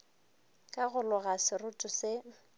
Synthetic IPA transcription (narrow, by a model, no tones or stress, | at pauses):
kʼaɣʊlʊɣasɪrʊtʼʊsɪ